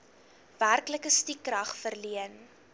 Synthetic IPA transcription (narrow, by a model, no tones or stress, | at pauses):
værkləkəstikːrɐχfərliən